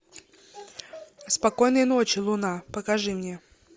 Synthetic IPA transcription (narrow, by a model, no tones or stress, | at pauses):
spɐkojnɨjənot͡ɕɪlˠʊnapəkɐʐɨmnʲe